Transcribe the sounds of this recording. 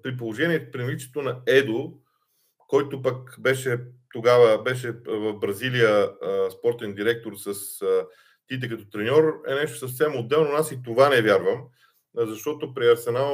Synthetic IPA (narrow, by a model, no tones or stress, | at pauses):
pɾip̬olˠoʒɛniɛt̪pɾinlit͡ʃɛ̥t̪onɐɛd̪o | kɔjt̪opɐkbɛʃɛt̪oɡavəbɛʃɛvɐfbɾɐzilijəspɔɾt̪ɛnd̪iɾɛk̚t̪oɾsəsə | t̪it̪ɛkɐt̪ɔt̪ɾɛnʲɔɾɛ̰nɛʃt̪o̥səfsɛmod̪ːɛlˠnoasit̪ovanɛvʲjaɾvəm | zɐʃt̪ɔt̪opɾiɐɾsɛnalˠ